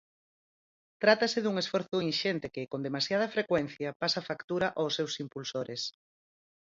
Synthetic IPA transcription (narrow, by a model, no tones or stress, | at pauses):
t̪ɾat̪ɐsɪðuŋesfɔɾθʊinʃent̪ekɪkond̪emasjað̞ɐfɾekwɛn̟θjɐpasafakt̪uɾaʔosːewsimpulsoɾes